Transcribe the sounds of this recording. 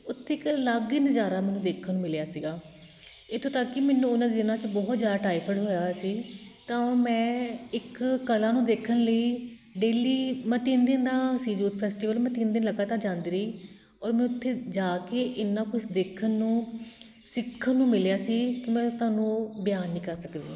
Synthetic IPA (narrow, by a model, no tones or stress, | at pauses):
ʊt̪ʰːeːɪkləɡɪnd͡ʒaːɾaːmɛ̃ːnũːd̪eːkʰːənːũːmɪljaːsiːɡaː | et̪ʰːõːt̪akːɪmɛːnũːʊnãːd̪eːd̪ɪnãːt͡ʃbɔːt̪zjaːd̪aːʈaːipʰəɖɦoːjaːsiːt̪ãːmɛ̃ːɪkkəlaːnũːd̪eːkʰənləiːɖeːliːmɛ̃ːt̪ɪnd̪ɪnd̪ãːsiːd͡ʒuːt̪pʰɛːsʈiːʋəlmɛ̃ːt̪ind̪ɪnləɡaːt̪ãːd͡ʒãːnd̪ɾiː | ɔːɾmɛːnũʊt̪ʰːeːd͡ʒaːkeːʔɪnːãːkʊt͡ʃʰd̪eːkʰənːũː | sɪkʰːənːũːmɪljaːsiːkɪmɛ̃ːt̪ʊãːnũːbjaːnːĩːkəɾsəkd̪eː